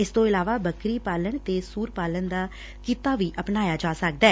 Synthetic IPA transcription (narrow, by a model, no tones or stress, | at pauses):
ɪst̪õːɪlaːʋaːbəkɾiːpaːləɳt̪eːsuːɾpaːlənd̪aː | kiːt̪aːʋiːʔəpnaːjaːd͡ʒaːsək̚d̪ɛː